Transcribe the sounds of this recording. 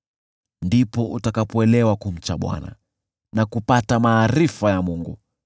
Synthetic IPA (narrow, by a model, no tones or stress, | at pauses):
ndipɔʔutakapɔɛlɛwakum̩t͡ʃaɓwa̰na̰ | nakupatamaːɾifajamuŋɡṵ